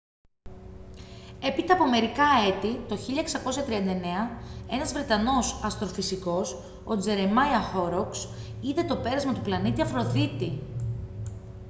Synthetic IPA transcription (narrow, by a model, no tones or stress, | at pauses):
e̞pit̪ɐːpo̞me̞ɾikɐe̞t̪it̪o̞çiʎɐeksɐko̞sɐt̪ɾiɐnd̪ɐene̞ɐe̞nɐzvɾe̞t̪ɐno̞sɐst̪ɾo̞fisiko̞s | o̞d͡ze̞ɾemɐjɐxo̞ɾoks | iðe̞t̪o̞pe̞ɾɐzmɐt̪uplɐnit̪iɐfɾo̞ðit̪i